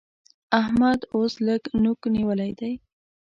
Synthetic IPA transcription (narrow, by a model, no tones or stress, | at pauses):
ahmad̪osləɡnukniwəlajd̪aj